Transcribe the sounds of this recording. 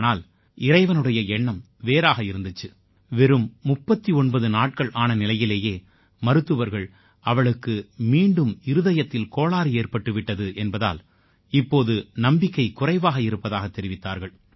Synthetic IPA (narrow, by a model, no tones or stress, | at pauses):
naːl | ɪɾɐɪʋɐnɯɽɐjɐɛɳːɐm | ʋeːɾaːɣɐɪɾɯnd̪ɯt͡ʃːɯ | ʋɛɾɯmːʊpːɐt̪ːiɔɳbɐðɯnaːʈ̚kɐɭʔaːnɐnɪlɐjɪleːjeː | mɐɾɯt̪ːɯʋɐɾɣɐɭ | ɐʋɐɭɯkːɯmiːɳɖɯmɪɾɯðɐjɐt̪ːɪlkoːɭaːɾɯeːrpɐʈːɯʋɪʈːɐðɯʔɛnbɐða̰ːl | ɪpːoːðɯnɐmbɪkːɐɪkʊrɐɪʋaːɣɐɪɾɯpːɐðaːɣɐt̪ːɛɾɪʋɪt̪ːaːɾɣɐɭ